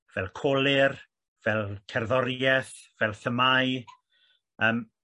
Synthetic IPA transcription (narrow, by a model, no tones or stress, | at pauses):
v̥ɛlˠkʰoːlˠɪr | v̥ɛlˠtʰɛrðɔɾjɛθ | vɛlˠθəmaj | əːm